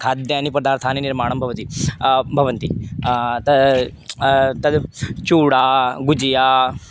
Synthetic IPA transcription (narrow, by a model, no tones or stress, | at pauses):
kʰaːd̪jaɐnipɐd̪aːɾt̪ʰaːniniɾmaːɳ̃ɐmbʱɐʋɐt̪ibʱɐʋɐnt̪i | t̪ɐ | t̪ɐd̪t͡ʃuːɽaːɡud͡ʒjaː